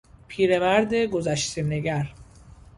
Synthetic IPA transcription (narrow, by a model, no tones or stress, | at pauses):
pʰiːɾemæɾd̪eɡozæʃt̪ʰeneɡæɾ